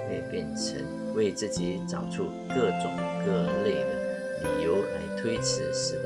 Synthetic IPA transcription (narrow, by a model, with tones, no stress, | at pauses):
we˥˧ɪpjɛ˥˩nʈ͡ʂʰə̰˧˥ŋ | we˥˧ɪt͡sɹ̩˥˩t͡ɕi˧˥ʈ͡ʂɑ˨˩ʊʈ͡ʂʰu˥˧ | kɤ˥˩ʈ͡ʂʊ˨˩˦ŋkɤ˥˧ə˧˥nle˥˩d̪ə˩ | lḭ˨˩jo˧˥ʊla˧˥ɪt̪ʰwe˥ɪt͡sʰɻ̩˧˥ʂɻ̩˧˥